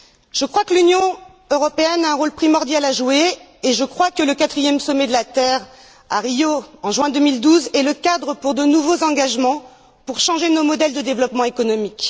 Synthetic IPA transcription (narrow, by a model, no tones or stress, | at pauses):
ʒ̥əkχwakəlynjɔ̃ | øʁɔpeɛnaɛ̃ʁolpχimɔʁd̪jalaʒue | eʒəkχwakələkat̪χijɛmsɔmɛd̪əlat̪ɛʁ | a̰ʁijoɑ̃ʒɥɛ̃d̪əmild̪uzɛləkad̪ʁəpuʁd̪ənuvozɑ̃ɡaʒmɑ̃ | puʁʃɑ̃ʒenomɔd̪ɛld̪əd̪evlɔpmɑ̃ekɔnɔmik